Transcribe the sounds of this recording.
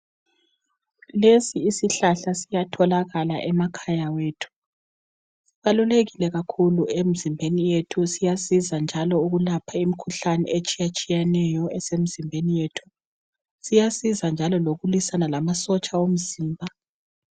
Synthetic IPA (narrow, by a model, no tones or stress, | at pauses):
lesiːsiɬaɬasijatʰɔlaɣalaʔɛmakʰajaweːtʰu̥ | sβaluleɣilɛɣakʰuluem̩zimbʱenijetʰusijasizand͡ʒʱalɔuɣulapʰaimikʰuɬanɛ̰et͡ʃʼijat͡ʃʼijɛnɛjɔɛsem̩zimbʱenijetʰu̥ | sijasizand͡ʒʱalɔloɣulisanalamasɔt͡ʃʼaom̩ziːmbʱa